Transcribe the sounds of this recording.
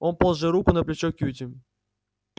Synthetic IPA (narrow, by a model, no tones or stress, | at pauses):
onpolˠʐɨɾukʊnɐplʲɪt͡ɕokʲutʲɪ